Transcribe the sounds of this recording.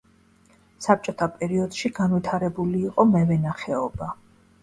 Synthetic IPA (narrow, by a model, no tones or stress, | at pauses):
sap̚t͡ʃʼɔt̪ʰapʼɛɾiɔd̪̥ʃiɡanvit̪ʰaɾɛbuliːqʼɔmɛvɛnaχɛɔba